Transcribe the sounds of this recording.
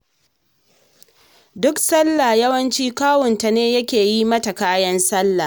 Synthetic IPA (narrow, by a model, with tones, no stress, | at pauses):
dʊ˦ksɐ˦lːa˨jɐ˦wɐ˦nt͡ʃiː˦kaː˦wʊ˨nta˨neː˦jɐ˦kʲeː˨ji˦mɐ˦ta˨kaː˦jɐ˦nsɐ˦lːa˨